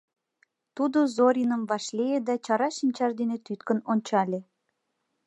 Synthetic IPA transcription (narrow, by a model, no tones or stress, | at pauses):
t̪ud̪ozoɾʲinəmvɑʃlejed̪æt͡ɕɑɾɑʃinʲt͡ɕɑʒd̪enet̪yt̪kənonʲt͡ɕɑlʲe